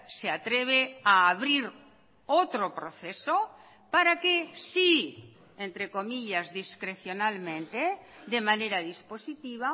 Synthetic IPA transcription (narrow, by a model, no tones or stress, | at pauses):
seat̪ɾeβ̞eaːβɾiɾ | ot̪ɾopɾoθeso | paɾakesi | ent̪ɾekomiʎazðiskɾeθjonalmẽnt̪ed̪emaneɾaðisposit̪iβ̞a